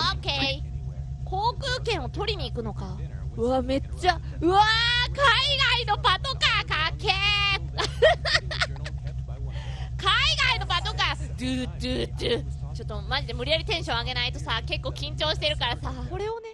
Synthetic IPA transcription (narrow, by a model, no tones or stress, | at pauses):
okeikʰo̞ːkɯ̟ːkẽ̞ɰ̃o̞t̪o̞ɾʲiɲ̟iːkɯ̟no̞kaɯ̟ame̞t͡ɕːaɯ̟akaiɡaino̞pat̪o̞kakake | kaiɡaino̞pat̪o̞kat̪ɯt̪ɯt̪ɯt͡ɕo̞t̪ːo̞maʑid̪emɯ̟ɾʲijaɾʲit̪ẽ̞ɕõaɡe̞nait̪o̞sake̞kːo̞ːkʲĩɲ̟t͡ɕo̞ːɕi̥t̪e̞ɾɯ̟kaɾasako̞ɾe̞one